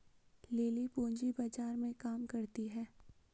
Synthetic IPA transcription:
leːlipõːɲd͡ʒibaːd͡ʒaːɾmẽkaːmkɐɾt̪iɦɛː

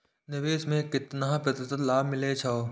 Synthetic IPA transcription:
nɪʋeːʃmẽkɪt̪nãpɾɐt̪ɪt̪əlaːbmɪlet͡ʃʰaoː

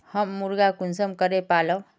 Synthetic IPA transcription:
həmːuɾɡakunsəmkəɾepalə

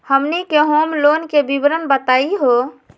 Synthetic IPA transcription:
həmnikeɦomlonkebibɾənbət̪aiɦo

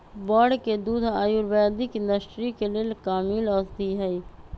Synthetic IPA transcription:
bɔːɖked̪uːd̪aːjuːɾʋɛːd̪ɪkɪ̃nɖəsʈɾikelelkaːmiːlɔːsd̪iɦɛi

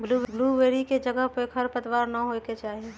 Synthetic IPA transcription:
blubluːʋeːɾiked͡ʒəɡəɦpekɦəɾpət̪waːɾnəɦoket͡ʃaːɦie

